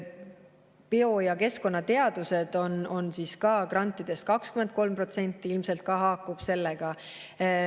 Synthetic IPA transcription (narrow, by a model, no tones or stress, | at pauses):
peo̞jɑke̞sko̞nːɑt̪e̞ɑd̪use̞d̪̥o̞no̞nsiːskɑːkrɑnʲt̪ˑːid̪̥e̞st̪̚kɑkskyme̞nd̪̚ko̞lmpro̞t̪se̞nʲt̪ˑːiilmse̞lt̪̚kɑɦɑːkːˑub̥se̞lːeɡ̥ɑ